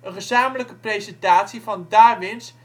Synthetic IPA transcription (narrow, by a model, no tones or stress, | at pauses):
ənχəzaːmələkəprejzɛntaːtsivɑndaːʋɪns